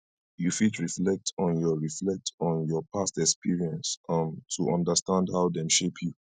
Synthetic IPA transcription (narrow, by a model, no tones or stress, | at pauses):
jufitɹiflɛk̚tʰɔ̃njɔɹiflɛk̚tʰɔ̃njɔpʰastɛkspiɹiɛ̃nsmtʰuʔɔ̃ndəstãndhaʊdɛ̃mʃepʰju